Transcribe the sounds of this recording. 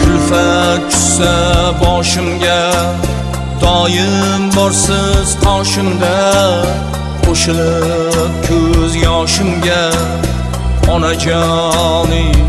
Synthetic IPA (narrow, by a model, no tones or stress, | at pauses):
tʰʊlfat͡ʃʰʊ̥ssabɒʃɪmɡʲa | d̪ɒjɪmbɒɾsɪz̥qʰɑwʃɪmd̪a | qʰoʃɪlɪ | p̚kʲʰɵzjɒʃɪmɡʲa | ɒnad͡ʒɔnɪ